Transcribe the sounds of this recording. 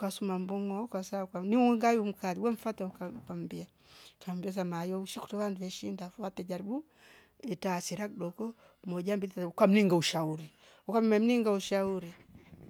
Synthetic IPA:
kasumambɔŋɔkwasakwaniɛŋɡajum̩kaliwɛɱ̩fataukakam̩bia | kambias̬amajɔuʃiku̥tɔβanduwɛʃindawatɛd͡ʒaɾibu | ɛtaːsiɾak̚ɗɔkɔ | mɔd͡ʒambiakwam̩niŋɡauʃauɾi | ukammɛm̩niŋɡauʃauɾi

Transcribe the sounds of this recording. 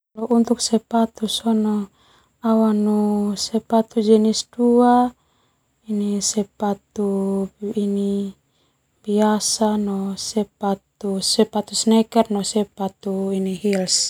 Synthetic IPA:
alɔʔunt̪uk̚sɛpat̪usɔnɔ | awanusɛpat̪ud͡ʒɛnisdua | inisɛpat̪uː | ni | biasanɔsɛpat̪usɛpat̪usnɛkɛrnɔsɛpat̪uiniɦils

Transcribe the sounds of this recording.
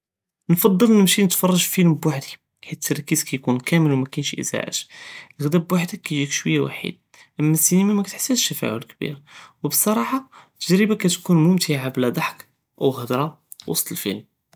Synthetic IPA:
nfɑd̪ˤːəlnəmʃinət̪fɑrˤːɑʒfəlmbwaħd̪i | ħitt̪ʰːɑɾˤkizkæjkunkæməlwmækænʃʔə̰za̰ʕə̰t̪lɣd̪æbwaħd̪ækːæjʒikʃwəjːawa̰ħḭd̪̚ | ʔəmːæsːinimæmækæt̪ħə̥sːæt̪ʃːəfæ̰ʕʊ̰lkbḭɾwbəsˤːɑɾˤɑħɑt̪ːəʒɾəbakæt̪kunmʊmt̪ʰiʕablæd̪ˤɑħk | ʔæwɣəd̪ɾˤɑ | wɑ̰sˤt̪ˤəlfə̰lm

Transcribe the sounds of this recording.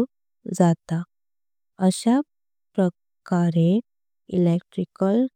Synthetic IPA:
d͡zat̪a | əɕa | pɾə | kaɾe | ilekʈɾikəl

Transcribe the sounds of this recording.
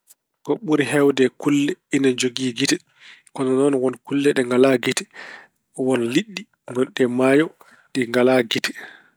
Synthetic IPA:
kɔɓuɾiɦɛwdɛkulːɛinad͡ʒoɡiːɡitɛ | kɔnɔnɔnwɔnkulːɛɗɛŋɡalaɡitɛ̥ | wɔnliɗːi | nɡɔnɗɛmaːjɔ | ɗiŋɡalaɡitɛ̥

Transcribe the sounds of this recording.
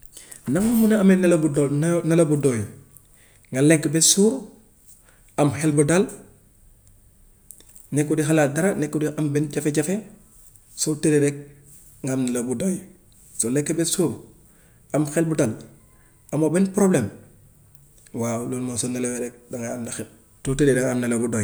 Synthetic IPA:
naŋmomunaamenalabudnalabudoj | ŋɡaleŋkːebesuːɾ | amxelbudal | nekːudixalaːdaɾanekːudiambɛnɟafeɟafe | sotedeɾɛk̚ | ŋɡamnalabudoːj | solɛŋkːebesuːɾ | amxelbudal | amobɛnpɾoblem | walonmosonaleweɾek̚daŋɡaːmnaxin | totededeŋamnalabudoːj

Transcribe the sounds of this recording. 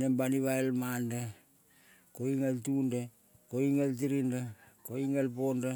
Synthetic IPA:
nembaniβaelmanda | koiŋaltunda | koiŋelt̬iɾindakoiŋalpo̞nda

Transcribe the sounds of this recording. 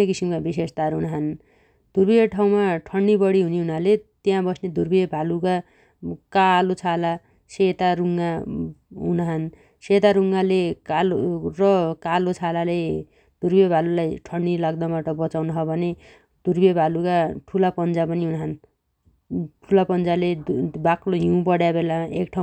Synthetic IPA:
ekisimkabisest̪aɾuɦunaɦʌn | d̪̥ʱurbieʈʰaw̃maʈʰʌɳɖibʌɽiɦuniɦunalet̪jãbʌsned̪ʱurbibʱaluka | kalot͡sʰala | set̪aɾuŋɡa | ɦunaɦʌn | set̪aɾuŋɡalekalorʌkalot͡sʰalale | d̪̥ʱurbebʱalulajʈʰʌɳɖilaɡd̪ʌbaʈʌbʌt͡sawnʌɦʌbʱʌne | d̪̥urbebʱalukaʈʰulapʌnd͡zapʌniɦunaɦʌn | ʈʰulapʌnd͡zalebakloɦiũpʌɽjabelaekʈʰã

